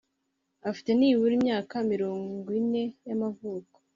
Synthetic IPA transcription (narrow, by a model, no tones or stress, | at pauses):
afi̥te̞niːβuɾimɲaːkamiɾoːŋɡine̞jamavuːko̥